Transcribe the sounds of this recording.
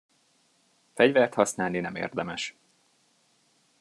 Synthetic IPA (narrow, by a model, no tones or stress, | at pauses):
fɛɟvɛrt̪hɒsnaːlninɛmḛːrd̪ɛmɛʃ